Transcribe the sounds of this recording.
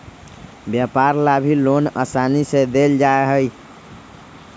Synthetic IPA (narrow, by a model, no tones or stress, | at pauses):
bjapaɾlabʱilonə̰sanised̪eld͡ʒaeɦəj